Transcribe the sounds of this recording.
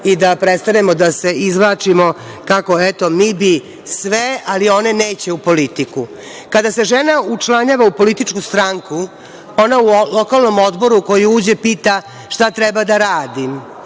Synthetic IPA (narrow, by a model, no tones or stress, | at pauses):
id̪apɾet̪st̪ane̞mo̞d̪ase̞izʋlˠaːt͡ʃimo̞ | kako̞et̪o̞miːbi | sʋealio̞ne̞neːt͡ɕe̞upo̞lit̪iku | kad̪ase̞ʒenaut͡ʃlaɲaːʋaupo̞lit̪it͡ʂkust̪ɾaŋku | o̞naulo̞kalˠno̞mod̪bo̞ɾuko̞jiuːd͡ʑe̞piːt̪a | ʂt̪at̪ɾɛbad̪aɾaːd̪im